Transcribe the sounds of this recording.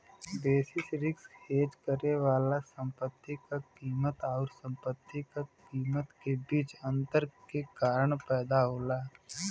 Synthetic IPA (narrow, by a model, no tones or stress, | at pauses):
beːsɪsɾɪksheːd͡ʒkəɾeʋaːlasə̃mpət̪ːikakiːmət̪ɔːɾsə̃mpət̪ːikakiːmət̪kebiːt͡ʃə̃nt̪əɾkekaːɾəɽ̃pɛːd̪aɦoːlaː